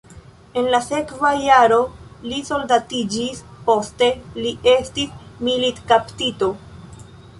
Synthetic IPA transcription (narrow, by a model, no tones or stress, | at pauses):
e̞nlase̞kvajaɾo̞liso̞ldatid͡ʒispo̞ste̞liʔe̞stismilitkaptito̞